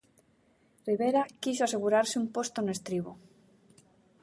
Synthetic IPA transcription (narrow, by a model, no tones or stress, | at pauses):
riβeɾakisoaseɣuɾaɾseumpost̪onest̪ɾiβ̞o